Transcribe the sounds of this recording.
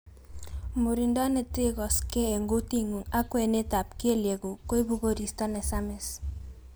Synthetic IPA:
mo˨ɾi˨nda˦ne˨tɪ˦kɔ˨ske˦e˨ŋɡo˦ti˦ŋu˨ŋa˦kwe˨ne˦ta˨p̚ki˦e˦lje˨ɡu˨ko˦i˦bu˦ɡo˦ɾi˨sta˦nɛ˨sa˦mɛ˨s

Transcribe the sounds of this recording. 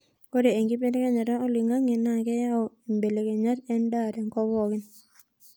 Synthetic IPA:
ko˦ɾe˨e˨ŋɡi˦pe˦ne˦kɛ˦ɲa˨ɾa˦o˦li˨ŋa˦ŋe˨na˨kɛ˦ja˦ɔ˨e˨mbe˨le˨ke˨ɲa˦tɛ˦nda˦˨ɾɛ˨ŋkɔ˦wɔ˦˨kɪ˦n

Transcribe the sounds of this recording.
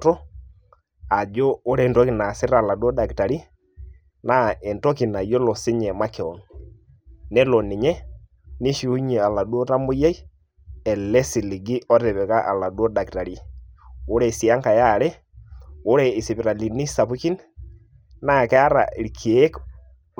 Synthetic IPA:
tɔ˦ | a˨d͡ʒɔː˦ɾɛ˦˨ntɔ˦ki˨na˨sɪ˦ɾa˨la˨du˦o˦da˨kta˨ɾi˦ | na˦ɛ˨ntɔ˦ki˨na˨jo˦lɔ˨sɪ˦ɲɛ˨ma˦kɛ˨ɔ˨n | nɛ˦lɔ˨nɪ˨ɲɛ˦ | ni˦ʃi˨u˦ɲi˨a˨la˨du˦o˦ta˦mbu˦ja˦i˦ | ɛ˨lɛ˦si˨li˨ɡi˦ʔɔ˦ɾɛ˨βɛ˨ka˦ʔa̰˨la˨du˦ɔ˦da˨kta˨ɾi˦ | o˦ɾɛ˦˨si˨a˦ŋka˨ja˦˨ɾɛ˦ | o˦ɾɛ˨i˨si˨pi˨ɾa˨li˨ni˦sa˨pu˦ki˦n | na˦kɛ˦a˦ɾa̰˨i˨lkʰi˨e˦k

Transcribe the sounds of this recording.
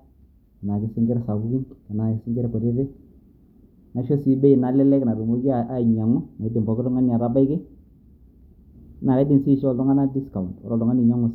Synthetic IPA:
kɪ˨na˨kɪ˨˦sɪ˦ŋɡɪ˦ɾɛ˨sa˨bu˦ki˦nkɪ˨na˨kɪ˨sɪ˦ŋɡɪ˦ɾɛ˨kɔ˨ɾɪ˦ɾɪ˦ | na˨ʃɔ˦si˦be˦i˨na˨˦lɛ˦lɛ˦kɪ˨na˨ɾe˨mo˦ɡi˦a˨a˨ɲa˨ŋʊ˦na˨ɪ˦dɪ˨mbɔ˨˦kɪ˦ɾɔ˦ŋa˦ni˨a˨ɾa˦ba˦ɪ˦ke˦ | na˨ka˨˦dɪ˨nsi˦˨ʃɔ˨ldɔ˦ŋa˦na˦di˦ska˨wn˨ɾɔ˨lɔ˦ŋa˦nɪ˨ɲa˦ŋʊ˨s

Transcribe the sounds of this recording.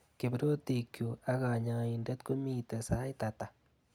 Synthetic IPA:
ke˨bɾo˦ti˨kju˨a˦ka˨ɲa˨i˨ndɛ˦tku˦mi˦˨tɛ˨sa˦jta˨ta˨

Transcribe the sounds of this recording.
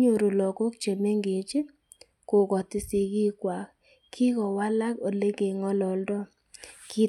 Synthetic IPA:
ɲo˦˨ɾo˨lɔ˨ko˦kt͡ʃe˨me˦ŋɡe˨t͡ʃi˦ | ko˨kɔ˨tɪ˨si˨ki˦kwa˨k | kʰi˦kɔ˨wa˦la˦ko˨le˦ke˨ŋɔ˦lɔ˨ldɔ˦ | ki˦

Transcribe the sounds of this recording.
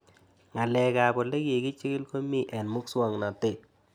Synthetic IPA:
ŋa˨lɛ˨ka˨bɔ˨le˦ke˨ki˦t͡ʃɪ˦kɪ˦lko˦mi˦ʔɛ˨nmʊ˦kswa˦˨ŋna˨te˦˨

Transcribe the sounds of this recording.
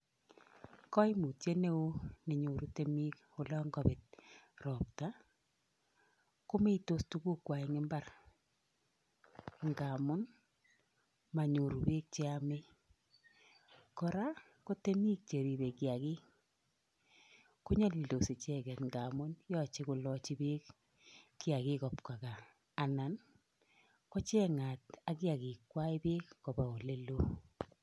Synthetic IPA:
kɔ˦i˦mu˨tje˦ne˦u˦ne˨ɲo˨ɾu˦te˦mi˦k | o˨lɔ˦ŋɡɔ˨bɪ˨t̚rɔ˨p̚ta˦ | ko˦me˦i˨to˦stu˦ku˦kwa˨ɛ˨ŋɪ˦mba˦ɾ | ŋɡa˨mʊ˦n | ma˨ɲo˨ɾu˨be˦k̚t͡ʃe˦a˦me˦ | kɔ˨ɾa˦ | ko˦te˦mi˦k̚t͡ʃe˨ɾi˨be˨ki˨a˨ki˦ | kʊ˦ɲa˦li˨ldo˨se˨t͡ʃɛ˦kɛ˨tŋɡa˨mʊ˦njɔ˦t͡ʃi˦ku˨lɔ˦t͡ʃi˦be˦k | kːi˦a˨kɪ˦kɔ˨pka˨kaː˨ | na˨n | kɔ˦t͡ʃɛ˦ŋa˨t̚a˦ki˦a˨ki˨kwa˦i˦pe˦kːɔ˨ba˨o˨le˦lo˦

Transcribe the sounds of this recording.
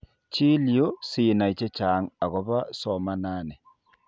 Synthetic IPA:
t͡ʃi˦ljo˦si˨na˨i˨t͡ʃe˦t͡ʃaː˨˦ŋa˨ɣɔ˨βa˦sɔ˨ma˦na˦nɛ˨

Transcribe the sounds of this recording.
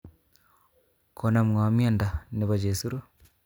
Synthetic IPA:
ko˨na˨mŋa˨mi˦a˦nda˨ne˨βa˨d͡ʒe˨su˦ɾu˦

